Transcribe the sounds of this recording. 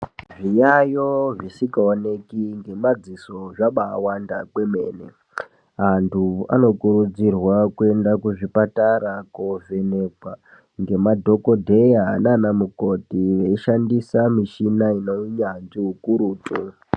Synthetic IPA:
ʐijajoʐisikaone̞kiŋɡe̞mad͡ziso̞ʐaɓaːwandakwe̞me̞̰ːnḛ | ɦantʰua̰no̞kuɾud͡zirwakue̞ndakuʐipataɾakovenekwa | ŋɡe̞madʱo̞kodʱe̞jananamukotiʋeiʃandisamiʃinainoɲand͡ʒiukuɾuːtʼu

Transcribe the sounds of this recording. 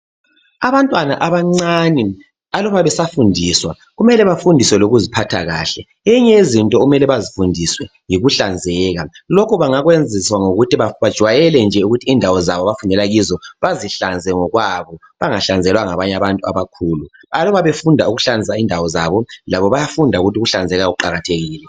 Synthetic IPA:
aβantʼwana̰ʔaβaŋ͡ǀani | alɔβaβɛsafundʱiswa | ɣumɛlɛβafundʱiswɛloɣuzipʰatʰa̰ɣa̰ːɬɛ | eɲɛezintʼɔumɛlɛβazifundʱiswɛ | jiɣuɬand͡zʱɛɣalɔkʰɔβaŋaɣwend͡zʱiswaŋoɣutʰiβaβad̥ʒ̥ʱwajɛlɛnd͡ʒʱɛuɣutʰiːndʱawɔzaβɔβafunɛlaɣizɔβaziɬand͡zʱɛŋɔɣwaβɔ | βaŋaɬand͡zʱɛlwaŋaβaɲaβantʼua̰βakʰuːlu | alɔβaβefundʱauɣuɬand͡zʱis̬aindʱawɔzaβɔlaβɔβajafundʱauɣutiuɣuɬand͡zʱɛɣaɣuǃaɣatʰeɣiːlɛ

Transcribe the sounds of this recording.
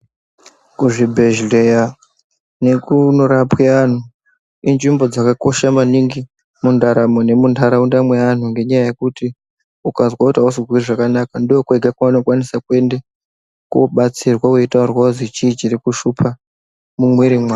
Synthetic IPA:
kuʐibʱe̞ʒleja | ne̞kunoɾapwean̤u | inʐimbo̞d͡zakako̞ʃamaniŋɡi | mundʱaɾamone̞mundʰʱaɾaundamwean̤uŋɡe̞ɲajaje̞kuti | ukazwautausizwiriʐakanakandiokueɡʱakwaano̞kwanisakue̞nde | kuɓat͡sirwauitarwazit͡ʃiːt͡ʃirikuʃupʰa | mumweɾimwaː

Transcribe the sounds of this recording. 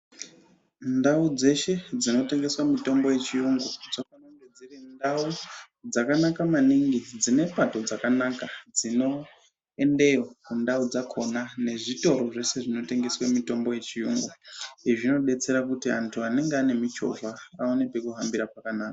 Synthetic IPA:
ndaud͡ze̞ʃe̞d͡zino̞te̞ŋɡe̞swamito̞mbo̞je̞t͡ʃijuŋɡud͡zokanaŋded͡zirindau | d͡zakanakamaniŋɡid͡zine̞pato̞d͡zakanakad͡zino̞ | e̞nde̞jokundaud͡zakʰo̞nane̞ʐito̞ɾo̞ʐe̞se̞ʐino̞te̞ŋɡe̞swamito̞mbo̞je̞t͡ʃijuːŋɡuiʐino̞ɗe̞t͡se̞ɾakutiantʰuane̞ŋɡeane̞mit͡ʃo̞̰vaːonepekuɦambiɾapakanaːka

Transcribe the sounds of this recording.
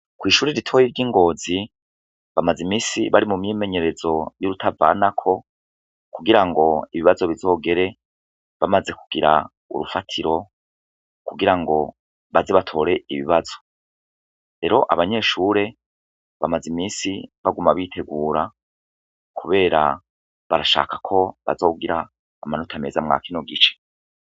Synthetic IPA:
kwiːʃuːɾeɾitʰo̞ːjiɾɟiːŋɡo̞ːzi | βamazimiːsiβaɾimumɲiːme̞ɲe̞ɾe̞zo̞juɾutʰava̰nakʰo̞ | kuɡiɾaŋɡo̞iβiβazo̞βizo̞ːɡe̞ɾe̞ | βamaze̞ku̥ɡ̥iɾa̰ | ṵɾufatʰiɾo̞ | kuɡiɾaŋɡo̞ | βazeβatʰo̞ːɾe̞iβḭβazo̞̥ | ɾe̞ɾo̞ʔaβaɲe̞ːʃuːɾe̞ | βamazimiːsiβaɡumaβiːtʰe̞ɡuːɾa | kʰuβe̞ːɾa̰ | βaɾaʃa̰ːkakʰo̞βa̰zoːuɡiɾaː | manutʰame̞̰zamŋa̰ːkino̞ɡit͡ʃe̥

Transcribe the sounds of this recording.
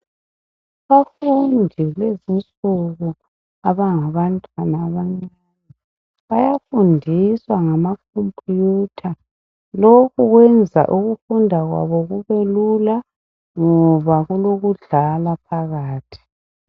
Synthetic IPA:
aβafundʱilezint͡sʼuɣu | aβaŋaβantʼwanaːβaŋ͡ǀa | ni | βajafundʱiswaŋamakʰompʼjutʰa | lokʰuɣwɛnd͡zʱa̰ʔuɣufundʱaɣwa̰βɔɣuβelula | ŋɔβaɣuloɣuɮalapʰaɣaːtʰi̥

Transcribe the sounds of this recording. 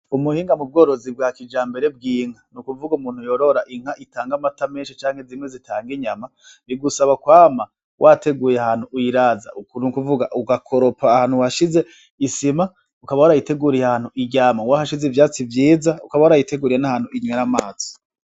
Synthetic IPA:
umuhiːŋɡamub̚ɡo̞ːɾo̞zib̚ɡakid͡ʒaːmbe̞ɾe̞bɡiːŋ̥anukuvuɡumuːnhujo̞ɾo̞ɾaʔiŋ̥aʔitaːŋɡamatameːnʃit͡ʃaːŋhezimwe̞zitʰaːŋɡiɲama | βiɡusaβakwaːma | wʔate̞ɡuːjeahaːn̥uʔujiɾaːza̰unukuvuɡaʔuɡakʰoɾo̞paːhaːn̥huwaʃize̞ | isima | ukaβauɾajite̞ɡuɾijehaːn̥huʔiɟaːmawahaʃizevjaːt͡sivjiːzaukaβauɾajite̞ɡuːɾiɾenahaːn̥huiɲweɾamaːt͡so̥

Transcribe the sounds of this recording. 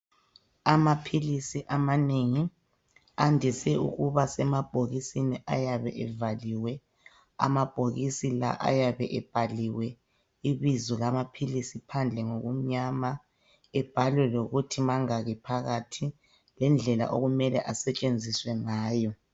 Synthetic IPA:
amapʰilisiʔamaneŋi | andʱisɛṵɣuβasɛmab̥ʱoɣisiniʔa̰jaβɛ̰ʔɛvaliwɛ | a̰mab̥ʱoɣisila̰ʔa̰jaβɛʔɛb̥ʱaliwɛ | iβizɔlamapʰilisipʰand͡ɮʱɛŋoɣum̩ɲama | ɛb̥ʱalwɛloɣutʰimaŋaɣɛpʰaɣatʰi | lɛnd͡ɮʱɛla̰ʔoɣumɛlɛʔasɛt͡ʃʼend͡zʱiswɛŋaːjɔ

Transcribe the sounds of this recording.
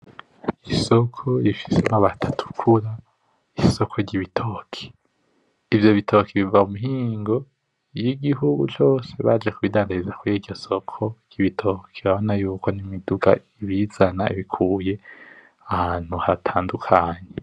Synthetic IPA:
iso̞kʰo̞ɾifi̥semaβatʰḁtʰu̥kʰuɾa | iso̞kʰo̞ɾɟiβitʰo̞ːkʰe̥ | ivjo̞βitʰo̞ːkiβivaumuɦiːŋɡo̞ | jiɡiɦuɡṵt͡ʃo̞ːse̞βad͡ʒekuβidaːndaɾizakujiɟɟo̞so̞kʰo̞ɾɟ̥iβitʰo̞ːkʰeβaβo̞najuːko̞nimiduɡa̰iβizanaḭβikʰuːje̞ | ahaːn̥huhatʰaːndukʰaɲe

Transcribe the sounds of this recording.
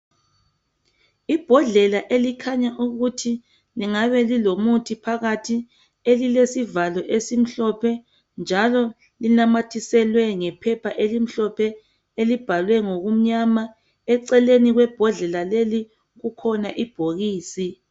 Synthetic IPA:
ib̥ʱɔɮɛlaʔelikʰaɲaʔuɣutʰi | liŋaβɛlilomutʰipʰaɣatʰi | elilesivalɔʔesim̩ɬɔpʰɛ | nd͡ʒʱalɔ | linamatʰisɛlwɛŋɛpʰɛpʰaʔelim̩ɬɔpʰɛ | elib̥ʱalwɛŋoɣum̩ɲama | ɛǀɛleniɣwɛb̥ʱɔɮɛlaleli | ɣukʰɔnaʔib̥ʱoɣiːsi

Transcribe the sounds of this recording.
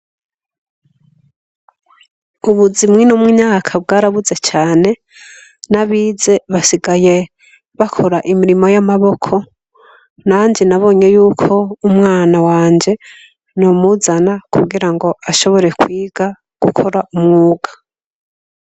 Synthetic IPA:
uβuzimŋinomŋwiɲaːkʰabɡaːɾaβuze̞t͡ʃaːne̞ | naβiːze̞βasiɡaje̞ | βakʰo̞ɾaʔimiɾimo̞jamaβo̞kʰo̞ | naɲd͡ʒinaβo̞ːɲe̞juːkʰo̞umŋaːnawaːɲd͡ʒe̞ | nomuzanakʰuɡiɾaŋɡo̞ʔaʃo̞βo̞ɾe̞kwiːɡa | ɡ̥ukʰo̞ɾaʔumŋuːɡḁ

